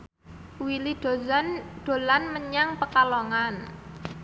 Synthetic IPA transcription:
wiliɖ̥o̤zanɖ̥o̤lanməɲaŋpəkaloŋan

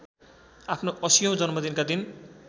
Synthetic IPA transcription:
apʰnoʔʌsijʌ̃w̃d͡zʌnmʌd̪inkad̪in

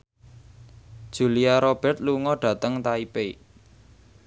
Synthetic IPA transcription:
d̥ʒ̥uliaɾob̥ɛ̤rt̪̚luŋɔɖ̥ä̤t̪əŋt̪aipe

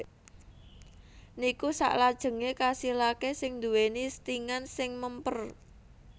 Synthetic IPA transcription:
nikusa̰ʔlad̥ʒ̥ə̤ŋekasilakesɪŋd̪ṳwenist̪iŋansɪŋməmpər

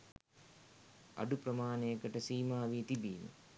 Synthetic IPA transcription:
a̰ɖupɾəmaːnejəkəʈəsiːmaːʋiːt̪ibiːnə̰

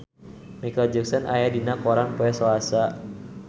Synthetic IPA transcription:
mikɔd͡ʒɛksɔnʔajadinakɔɾanpoɛsoasa

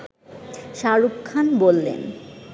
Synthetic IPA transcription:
ʃaɾukkʰːanbolːḛn

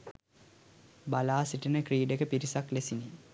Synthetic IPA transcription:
balaːsiʈənəkriːɖekəpiɾisaklesini

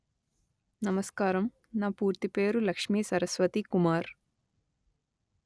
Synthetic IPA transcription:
nɐmɐskaːɾɐm | naːpuːɾt̪ipeːɾulɐkʂmiːsɐɾɐsʋɐt̪ikumaːɾ

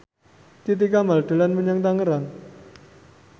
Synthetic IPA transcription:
t̪it̪̬ikamalʈəlanmənjaŋd̪aŋəɾan

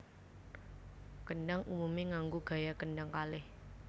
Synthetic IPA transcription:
kəɳɖaŋumumiŋaŋɡuɡ̥a̤jakəɳɖaŋkalɪh

